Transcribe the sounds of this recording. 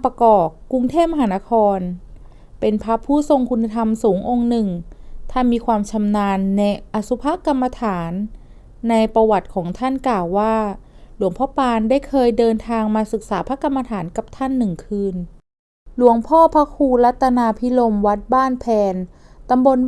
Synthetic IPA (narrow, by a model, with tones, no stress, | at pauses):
pa˧kɔː˨˩kːu˧ŋt̪ʰeː˥˩p̚ma˧ɦaː˩˦na˦˥kʰɔː˧n | pe˧npʰa˦˥pʰuː˥˩so˧ŋkʰu˧nːa˧t̪ʰa˧msuː˩˦ŋʔo˧ŋnɯ˨˩ŋt̪ʰa˥˩nmiː˧kʰwaː˧mt͡ɕʰa˧mnaː˧nːɛ˧jʔa˧˩su˦˥pʰa˦˥ka˧mːa˧t̪ʰaː˩˦nː | a˧jpɾa˧wa˨˩t̪̚kʰɔː˩˦ŋt̪ʰa˥˩nklaː˨˩wːaː˥˩ | lu˩˦əŋpʰɔː˥˩paː˧nda˥˩jkʰɤː˧jdɤː˧nt̪ʰaː˧ŋmaː˧sɯ˨˩k̚saː˩˦pʰa˦˥kːa˧mːa˧t̪ʰaː˩˦nka˨˩p̚t̪ʰa˥˩nːɯ˨˩ŋkʰɯː˧n | lu˨˩˦əŋpʰɔː˥˩pʰa˦˥kʰuː˧la˦˥t̪ʰːa˧naː˧pʰi˦˥lo˧mwa˦˥t̪̚baː˥˩npʰɛː˧n | t̪a˧mbo˧n